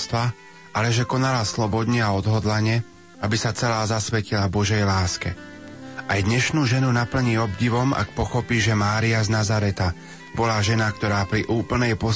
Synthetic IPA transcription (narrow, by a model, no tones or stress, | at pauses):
st̪ʋa | ʔalɛʒɛkɔnalaslɔbɔd̪ɲɛaɔd̪ɦɔd̪laɲɪɛ | abisat͡sɛlaːzasʋɛcilabɔʒɛjlaːskɛ | ajd̪ɲɛʃnuːʒɛnunapl̩ɲiːɔbɟiʋɔmʔa̰k̚pɔxɔpiːʒɛmaːɾiaznazaɾɛt̪a | bɔlaːʒɛnakt̪ɔɾaːpɾiʔuːpl̩nɛjpɔ